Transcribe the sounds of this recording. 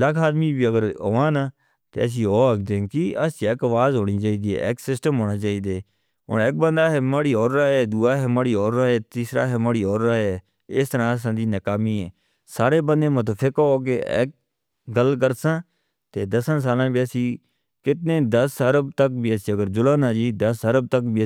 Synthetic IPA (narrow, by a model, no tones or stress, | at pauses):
ləkʰaːd̪miːbiːəɡəɾoʋaːnaː | t̪ḛːəs̬ĩːoːɾəkd̪ẽːkiəsĩːeːkəʋaːzɦoːɽ̃iːt͡ʃaːiːd̪iːɦɛ̰ːʔeːksɪsʈəmɦoːɽãːt͡ʃaːiːd̪eː | o̰ːneːk̚bənd̪aːɦɛːməːɽiːoːɾaːɛːd̪uːaːɦɛːməːɽiːɔːɾːaːɦɛːt̪iːsɾa̰ːɦɛːməːɽiːoːɾːaːɛː | ɪːst̪əɾãːəs̬ãːd̪iːnəkaːmiːɦɛː | saːɾeːbənd̪ẽːmə̃t̪̬oːpʰɪkooːkḛːḛːk̚ | ɡəlkəɾsãː | t̪eːd̪əsãːs̬aːlãːbiːəsĩː | kɪt̪neːd̪əsəɾəbt̪ək̚biːəsĩːəɡəɾd͡ʒʊlãːnãːd͡ʒiːd̪əsəɾəb̚t̪əkbiː